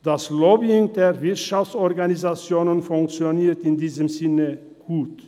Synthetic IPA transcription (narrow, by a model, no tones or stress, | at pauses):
d̥aslobiɪŋdeːɐvɪɐtʃaft͡sɔɐɡanizat͡sjoːnənfʊŋk̚t͡sjoniːɐtɪndiːzəmzɪnə | ɡ̥uːt